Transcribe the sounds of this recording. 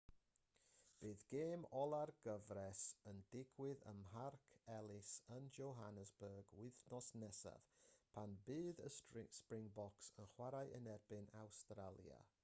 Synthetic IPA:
b̥ɨːðɡ̥eːmɔlˠarɡəvɾɛsəndɪɡwɪðə̰mɦarkʰɛlˠɪsənd͡ʒowɦanəzbəːɡwɪðnɔsnɛsa̰v̥pʰanbɨːðəspɹɪŋbɔksənχwaɾajʔənɛrbɪnawstɾalˠja̰

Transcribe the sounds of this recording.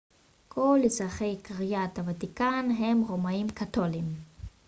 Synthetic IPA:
kʰo̞lːizʁaχe̞jkaʁijat̪havatikanɦe̞mʁomaimkato̞lim

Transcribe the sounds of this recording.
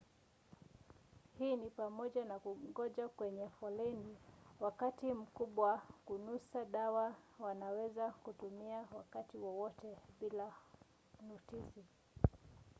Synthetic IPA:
hiːnipamɔʄanakuɡɔʄakwɛɲɛfɔlɛniwakatim̩kuɓwakunusaɗawawanawɛzakutumiawakatiwɔwɔtɛɓila | nutisi

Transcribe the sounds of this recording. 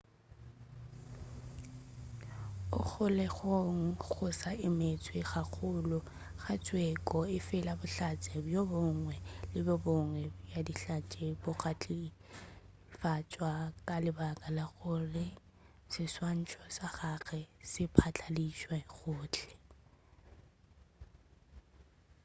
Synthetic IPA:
ʊ̰k͡xʰʊlɛɣoŋ̩ɣʊsaʔɪmɪt͡sʼwɪɣak͡xʰʊlʊ | χat͡sʼwɛkʼɔɪfɪlabʊɬat͡sʼɛbjobɔŋwɛlɪbɪbɔŋwɛbjadiɬat͡ʃʼebʊɣat͡ɬʼi | fat͡ʃʼwakʼalɪbakʼalaɣʊrɪ | sɪswan̩t͡ʃʰʼɔsaχaɣɛsɪpʰat͡ɬʰʼaliʃwɛɣʊːt͡ɬʰʼɛ̥

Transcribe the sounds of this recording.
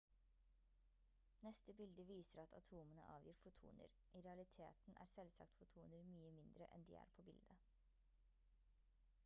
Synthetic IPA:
nɛst̪əbɪld̪əʋiːsəɾɑt̪ʰɑt̪ʰuːmənə̰ʔɑːʋjiːɾfʊt̪ʰṵːnə̰ɾ | ʔiɾɛɑlɪt̪ʰḛːt̪n̩ʔæ̰ːɾsɛlsɑ̰kt̪fʊt̪ʰuːnəɾmyːəmɪnd̪ɾəʔɛ̰nd̪ḭːæ̰ːɾpʰoːbɪld̪ə

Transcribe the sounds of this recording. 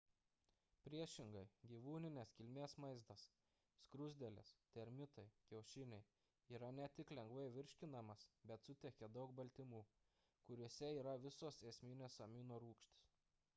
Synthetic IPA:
pʲɾʲiɛʃʲɪŋɡɐɪɡʲiːʋuːnʲɪnʲeskʲɪlʲmʲeːsmɐɪzd̪ɐs | skɾʊzʲd̪ʲɛlʲest̪ʲɛɾʲmʲɪt̪ɐɪkʲɛʊʃʲɪnʲɛɪ | iːɾɐnʲɛt̪ʲɪklʲɛŋɡʋɐɪʋʲɪɾʲʃʲkʲɪnɐmɐsbʲɛt̪sʊt̪ʲɛkʲɛd̪ɐʊkbɐlʲt̪ʲɪmuː | kʊɾʲuɔsʲɛiːɾɐʋʲɪsoːseːsʲmʲɪnʲeːsɐmʲiːnoːɾuːkʃʲt̪ʲɪ̥s

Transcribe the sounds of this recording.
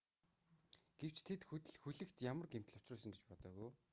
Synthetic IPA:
ɡ̥ew̥t͡ɕt̪ʰet̪xɵt̪ɘ̆ɮxuɮɘ̆kt̪jamə̆rɡem̥t̪ɘ̆ɮʊ̥t͡ɕrʊːsə̆ŋɡet͡ɕpɔt̪œːɣuj

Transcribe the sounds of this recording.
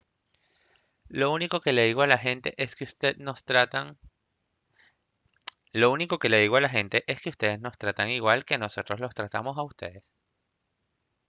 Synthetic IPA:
louniko̞ke̞le̞ðiɣo̞alaxe̞nt̪e̞ʔeskeust̪enost̪ɾat̪aŋ | lo̞uniko̞ke̞le̞ð̞iɣo̞alaxe̞nt̪e̞ʔe̞ske̞ust̪e̞ðe̞zno̞st̪ɾat̪aŋiɣwalke̞no̞so̞t̪ɾo̞slo̞st̪ɾat̪amo̞saust̪e̞̰ðe̞s

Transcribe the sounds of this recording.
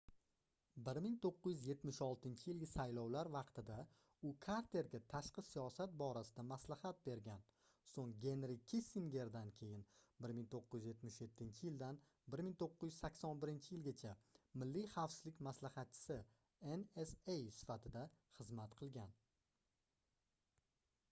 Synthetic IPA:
bɪɾmɪŋt̪ʰoqːɨjyzje̞t̪mɪʃɒlˠt̪ɪnt͡ʃʰɪjɪlɡʲɪsajlɒwlaɾvɑqt̪ɪd̪a | ʊkʰaɾt̪ʰe̞ɾɡʲat̪ʰaʃqɨsijɒsat̪̚bɒɾasɪd̪amaslahat̪̚be̞ɾɡʲan | soŋɡʲe̞nɾɪkʲʰisiŋɡʲe̞ɾd̪ankʲʰe̞jɪnbɪɾmɪŋt̪ʰoqːɨjyzje̞t̪mɪʃje̞t̪ʰːɪnt͡ʃʰɪjɪld̪an | bɪɾmɪŋt̪ʰoqːʊɪjyzsakʲsɒnbɪɾɪnt͡ʃʰɪjɪlɡʲat͡ʃʰamɪlːiχɑwfsɪzlɪkʲmaslahɑt̪̚t͡ʃʰɪ̥sɪ | enesejsɪ̥fat̪ʰɪd̪aχɨzmat̪qʰɨlˠɡʲan

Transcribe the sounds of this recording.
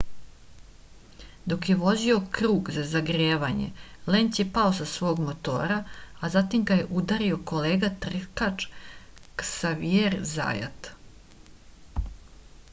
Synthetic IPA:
d̪o̞kjeʋo̞zio̞kɾuːɡzazaɡɾeːʋaɲḛle̞ːnt̪jepao̞sasʋo̞ːɡmo̞t̪o̞̰ːɾaazat̪imɡaje̞ʔud̪aɾio̞ko̞leːɡat̪r̩kat͡ʃ | ksaʋjeɾza̰ːja̰t̪

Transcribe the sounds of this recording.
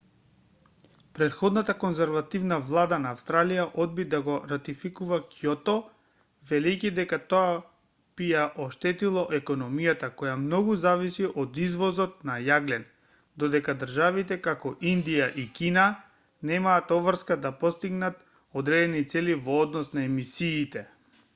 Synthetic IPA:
pɾɛt̪xɔd̪nat̪akɔnzɛɾvat̪ivnavlˠad̪anaːfst̪ɾalijaʔɔd̪̚bid̪aɡɔɾat̪ifikuvakjɔt̪ɔ | vɛlɛjcid̪ɛkat̪oa | b̥ijaʔɔʃt̪ɛt̪ilˠɔʔɛkɔnɔmijat̪akɔjamnɔɡuzavisiʔɔd̪izvɔzɔt̪̚najaɡlɛn | d̪ɔd̪ɛkad̪ərʒavit̪ɛkakɔʔind̪ijaʔikina | nɛmaːt̪ɔvr̩skad̪apɔst̪iɡnat̪ | ɔd̪ɾɛd̪ɛnit̪sɛlivɔːd̪nɔsnaɛmisiːt̪ɛ

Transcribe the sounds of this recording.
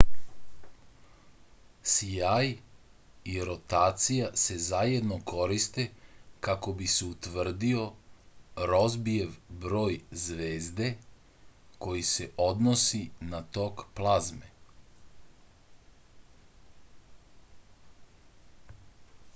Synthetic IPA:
siaj | iɾo̞t̪aːt̪sijase̞zaje̞d̪noko̞ɾist̪e̞kako̞biseut̪ʋr̩d̪io̞ | ɾozbie̞ʋbɾo̞ːjzʋe̞ːzd̪e̞ | ko̞jise̞ʔo̞d̪nosinat̪o̞kplˠazme

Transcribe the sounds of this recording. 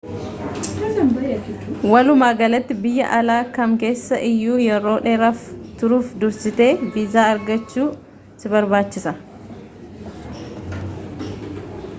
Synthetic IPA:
wɐlʊmaːɡɐlɐt̪ːɪbɪjːɐ̰ʔɐlaːkɐŋke̞ːsːɐʔɪjːuːjɛɾo̞ːᶑeːɾɐft̪ʊɾuːfd̪ʊɾsɪt̪e̞ːviːzaːɐɾɡɐt͡ʃːuː | sɪbɐɾbaːt͡ʃːɪsɐ

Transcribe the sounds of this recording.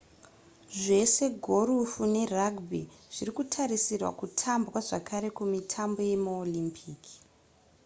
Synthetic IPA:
ʐe̞se̞ɡʱo̞ɾufune̞raɡbiʐ̥iɾikutʰaɾisirwa̰kutʰambwaʐakaɾe̞kumitʰambo̞je̞muolimpʰiːki̥

